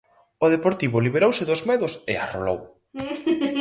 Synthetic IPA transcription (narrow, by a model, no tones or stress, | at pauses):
oðepoɾt̪iβʊliβ̞eɾowsɪðozmɛðʊsḛa̰ro̰lo̰w